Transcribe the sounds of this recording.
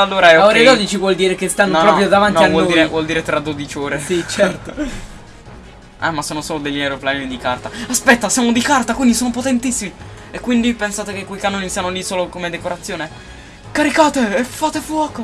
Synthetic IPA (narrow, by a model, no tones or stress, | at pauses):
alːoːɾaɛooɾed̪ɔd̪it͡ʃivwɔld̪iːɾekest̪anːopɾɔːpɾjod̪avantniavwɔliːɾewɔld̪iːɾet̪ɾad̪od̪it͡ʃoːɾesit͡ʃɛrt̪o | ɛ̰mːasːoːnosoːlod̪eʎːawɾoplajnd̪ikart̪aaspɛt̪ːasjaːmod̪ikart̪akwind̪isoːnopot̪ent̪isːimi | ekːwind̪ipensaːt̪ekekːwejkanːoːnisianolisoːlokomed̪ekoɾat̪sːjoːne | kaɾikaːt̪eefaːt̪efwɔːko